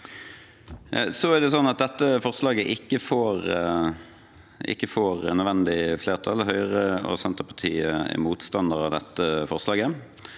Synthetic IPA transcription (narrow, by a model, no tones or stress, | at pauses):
sɔæʁd̪ɛs̬ɔnːɑt̪̚d̪ɛt̪ːəfɔʁslɑːɡəʔɪkːəfoːʁ | ɪ̰kːəfoːʁnœd̪ʋɛnd̪ɪfleːʁt̪ʰɑlhœʏʁəɔ̰sɛnt̪əʁpʰɑt̪ʰiːəɛ̰muːt̪st̪ɑnd̪əʁɑ̰ʋd̪ɛt̪ːəfɔʁslɑːɡə